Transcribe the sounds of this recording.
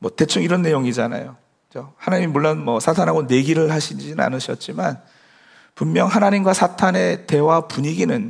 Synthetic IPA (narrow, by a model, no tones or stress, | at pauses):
mʌte̞t͡ɕʰuŋiɾʌnːe̞joŋid͡ʑana̰jokɯt͡ɕohanaɲimimuɭːonmʌsʰatʰanɦaɡone̞ɡiɾɯɭhaɕʰind͡ʑinna̰nɯɕʰʌt̚t͡ɕ͈iman | pumːjʌŋɦanaɲimɡwasʰatʰane̞te̞wapuɲiɡinɯn